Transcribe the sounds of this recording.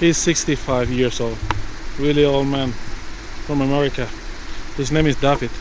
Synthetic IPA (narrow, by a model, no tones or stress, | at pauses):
hiz̥sɪkstifaɪvjɪɹzoʊlˠd̥wɪlˠioʊlˠd̚mæ̃n | fɹʌ̃məmɛɹɪkəhuznẽɪ̃mɨzdavɪt